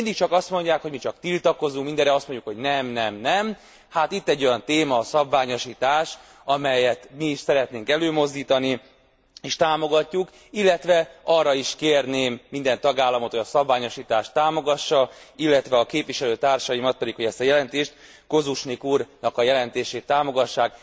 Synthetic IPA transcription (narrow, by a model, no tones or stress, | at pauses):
ind̪ik̚t͡ʃɒkɒst̪mo̞ɲɟaːkho̞ɟmit͡ʃɒkt̪ilt̪ɒko̞zuŋkmind̪ɛɾɛɒst̪moɲɟukʰho̞ɟnɛmnɛmnɛm | hat̪it̪ːɛɟːo̞jɒnt̪eːmɒːsɒbvaːɲo̞ʃiːt̪aːʃ | ɒmɛjɛt̪miːʃsɛɾɛt̪neːŋkɛløːmo̞zd̪iːt̪ɒni | eːʃt̪aːmo̞ɡɒcːuk | ilːɛt̪ʋɛɒrːɒiʃkeːrneːmːind̪ɛnt̪ɒɡaːlːɒmot̪hojɒsɒbvaːɲo̞ʃiːt̪aːʃt̪ːaːmo̞ɡɒʃːɒilːɛt̪ʋɛɒkeːpvʋiʃɛløːt̪aːrʃɒjimɒt̪̚pɛd̪ikhoɟɛst̪ɒjɛlɛnt̪eːʃt̪ | ko̞zuʃnikuːrnɒkɒjɛlɛnt̪eːʃeːt̪ːaːmo̞ɡɒʃːaːk̚